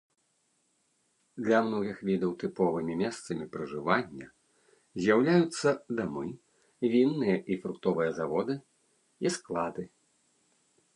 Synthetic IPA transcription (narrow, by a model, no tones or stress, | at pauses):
d̪lʲɐmnɔɣʲixvʲid̪ɐwt̪ɨpɔvɨmʲimʲɛst̪sɐmʲipɾɐʐɨvanʲːɐ | zʲjawlʲajut̪sːɐd̪amɨ | vʲinːɨjɐʔifɾukt̪ɔvɨjɐzavɔd̪ɨ | isklˠad̪ɨ